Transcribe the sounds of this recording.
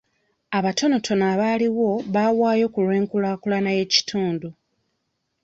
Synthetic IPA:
aβato̞no̞tʰo̞naːβaːliwo̞βawaːjo̞kulwe̞ːŋkulaːkulanaje̞ci̥tʰuːndu

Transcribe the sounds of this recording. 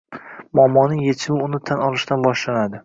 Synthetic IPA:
mɒmːɒnɪŋjet͡ʃʰɪbɪʊnɪt̪ʰanɒlˠɪʃt̪anbɒʃlanad̪ɪ

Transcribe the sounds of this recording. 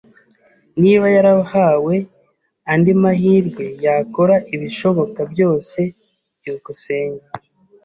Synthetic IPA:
niːβajaɾahawe̞ | andimahiːɾɡwe̞jako̞ɾaʔiβiʃo̞βo̞kabjo̞ːse̞ | jukuse̞ːɲɡa

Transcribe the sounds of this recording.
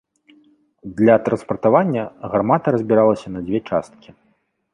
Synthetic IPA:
d̪lʲɐt̪ɾɐnspɐrt̪avanʲːɐɣarmat̪ɐɾɐzʲbʲiɾalˠɐsʲɐnɐd͡zʲvʲɛt͡ʂa̰st̪̚kʲi

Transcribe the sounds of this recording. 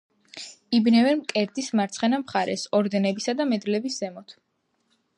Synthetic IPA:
ibnɛvɛɾmkʼɛɾd̪ismaɾt̪sʰχɛnamχaɾɛ̰sɔɾd̪ɛnɛbisad̪amɛd̪lɛbisz̥ɛmɔt̪ʰ

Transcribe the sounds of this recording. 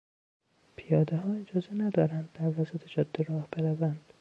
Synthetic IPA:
pʰijɒːd̪eɦɒːed͡ʒɒːzenæd̪ɒːɾænd̪̚ːæɾvæsæt̪ʰed͡ʒɒːd̪̥ːiɾɒːhbeɾævænd̪̥

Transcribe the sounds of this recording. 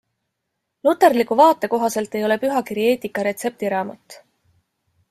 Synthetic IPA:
lut̪ːˑe̞rlikuvɑːt̪ːˑe̞ko̞ɦɑse̞lt̪ːe̞jo̞le̞pyɦɑkiɾje̞ːt̪ikːˑɑɾe̞t̪se̞p̚t̪iɾɑːmɑt̪ːˑ

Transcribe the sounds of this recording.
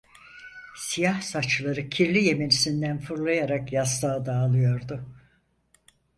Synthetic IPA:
sijahsat͡ʃlˠaɾɯcʰiɾlʲije̞me̞nisind̪ænfuɾlˠajaɾakjast̪ˠaːd̪aːlˠɯjo̞ɾd̪ʊ

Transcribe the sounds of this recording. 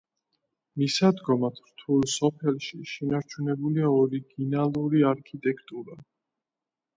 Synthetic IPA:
misad̪ɡɔmat̪ʰɾt̪ʰulˠsɔpʰɛlˠʃiʃɛnaɾt͡ʃʰunɛbuliaɔɾiɡinalˠuɾiaɾkʰit̪ʼɛkʰt̪ʼuɾa

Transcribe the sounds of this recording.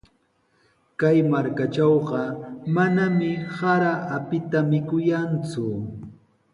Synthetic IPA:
kajmaɾkat͡ʃɑwɢɑmanamɪhaɾaʔapɪt̪amɪkʊjant͡sʊ

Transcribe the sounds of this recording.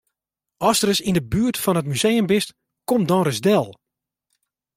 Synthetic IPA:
ɔsərəsindəbyːtfɔnətmyzejəmbɪst | komdɔnrəzdɛlˠ

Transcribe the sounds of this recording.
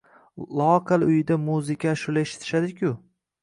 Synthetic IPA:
lˠɒqʰɨlˠʊjɪd̪amuzɪkʲʰaʃʊlaeʃɪ̥t̪ʰɪ̥ʃad̪ɪkʲʊ

